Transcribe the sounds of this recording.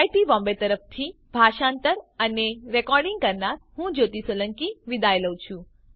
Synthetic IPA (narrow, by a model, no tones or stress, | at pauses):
jʈibɔ̃mbet̪əɾəft̪ʰi | bʱaʃant̪əɾəneɾɛkɔɾɖiŋɡ̚kəɾnaɾɦũd͡ʒot̪isələŋkiʋid̪ajləwt͡ʃʰũ